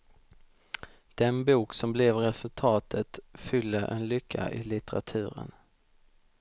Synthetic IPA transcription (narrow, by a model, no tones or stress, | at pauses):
d̪̥ɛnbuːksɔmblɛvɾɛsɵlt̪ʰɑːt̪ʰət̪fʏlːəʔɛnlʏkʰːa̰ʔɪlɪt̪əɾa̰t̪ʰʉ̟ːɾə̰n